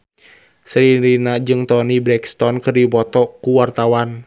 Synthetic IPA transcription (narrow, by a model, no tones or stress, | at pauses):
sɾiɾinad͡ʒɨŋt̪ɔnibɾɛkst̪ɔnkɨrdipɔt̪ɔkuwart̪awan